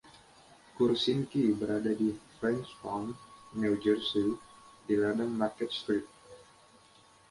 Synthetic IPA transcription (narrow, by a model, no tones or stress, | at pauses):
kursinkibəɾadadifɾɛnspɔnːild͡ʒərsidiladaŋmarkɛt̪̚st̪ɾip̪̚